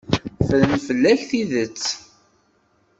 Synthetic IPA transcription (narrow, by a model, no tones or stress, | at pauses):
fələnfəlːæçθiðət͡sː